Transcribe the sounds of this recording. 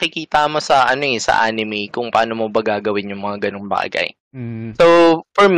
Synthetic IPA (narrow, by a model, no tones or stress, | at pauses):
ɐkɪkiːt̪ɐmosɐʔɐnoɛsɐ̰ʔa̰ːnɪmikʊŋpɐʔaːnomobɐɡaːɡɐwɪnjʊŋmɐŋaɡɐnoŋba̰ːɡɐ̰j | sofɔɹm